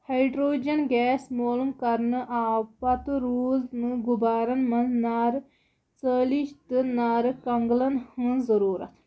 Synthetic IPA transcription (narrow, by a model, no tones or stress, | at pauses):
hɐjɖɾoːd͡ʒɐnɡɛːsmoːlumkɐɾnɨʔaːpɐt̪ɨɾuːznɨɡubaːɾɐnmɐnnaːɾ | t͡səliʃt̪ɨnaːɾɨkɐŋɡlɐnhɨ̃nzɐɾuːɾɐ̰t̪ʰ